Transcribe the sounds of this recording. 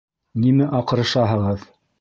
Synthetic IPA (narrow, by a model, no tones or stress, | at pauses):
nimæʔɑqɤ̆ɾɤ̆ʃɑɦɤ̆ʁɤð